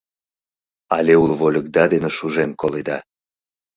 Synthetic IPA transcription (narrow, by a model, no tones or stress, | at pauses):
ɑlʲeulβolʲə̆k̚d̪ɑd̪eneʃuʒemkoled̪ɑ